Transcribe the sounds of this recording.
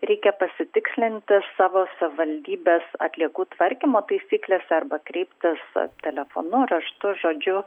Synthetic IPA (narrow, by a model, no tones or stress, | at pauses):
ɾʲɛɪkʲɛpɐsʲɪt̪ʲɪksʲlʲɪnʲt̪ʲɪsɑːʋoːsɐʋʲɪʋɐlʲd̪ʲiːbʲeːsɐ̰t̪ʲlʲiɛkuːt̪ʋɐɾʲkʲimoːt̪ɐɪsʲiːklʲeːsʲɛɐrbɐkɾʲɛɪpʲt̪ʲɪst̪ʲɛlʲɛfo̰ːnʊɾɐʃt̪ʊʒoːd͡ʒʲʊ